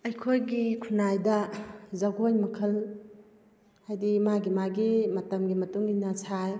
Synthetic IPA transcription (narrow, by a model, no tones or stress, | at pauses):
ɐjkʰojɡikʰunajdɐzɐɡojmɐkʰɐl | hajdimaɡimaɡimɐtɐmɡimɐtuŋɡinɐsʰaj